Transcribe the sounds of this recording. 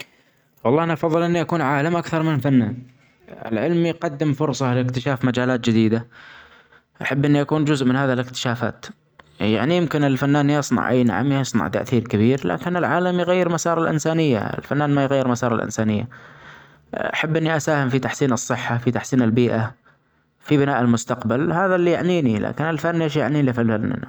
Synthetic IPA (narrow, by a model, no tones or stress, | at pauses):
wɑlˤːɑːʔanaʔɑfɑðˤːɨlʔɪnːiʔakuːnʕaːlamʔakθɑɾˤmɪnlfanːaːn | ɪ̰lʕɪlmiqɑd̪ːɪmfʊɾsˤɑlɪkt̪ɪʃaːfmad͡ʒaːlaːt̪̚d͡ʒɪd̪iːd̪a | ʔaħabːʔɪnːiʔakuːnd͡ʒʊzʔmɪnhaːðilɪkt̪ɪ̥ʃaːfa̰ːt̪ | ja̰ʕnijɪmkɪnɪlfanːaːnjɑsˤnɑ̰ʕʔa̰jna̰ʕa̰msˤnɑ̰ʕt̪a̰ʔθiːɾkɪbiːɾla̰ːkɪnɪlʕaːlamjɪɣajːɪɾmasɑːɾˤɑlʔɪ̰nsaːnɪjːa̰ɪ̰lfanːaːnmajɣajːɪɾmasɑːɾˤɑ̰lʔɪ̰nsaːnɪjːa̰ | ʔa̰ħabːʔɪnːiʔasaːhɪmfit̪aħsiːnɨsˤːɨħːafit̪aħsiːnɪlbiːʔa | fibɪnaːʔɪlmʊst̪aqbalhaːðalːijaʕniːnilʔa̰ːkɪnɪlfanːeːʃja̰ʕniːlifɪlanːa̰n